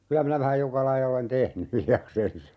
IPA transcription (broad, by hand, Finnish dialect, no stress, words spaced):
kylæ minæ ʋæhæj jokɑ lɑijɑ olen tehny hiljɑksensɑ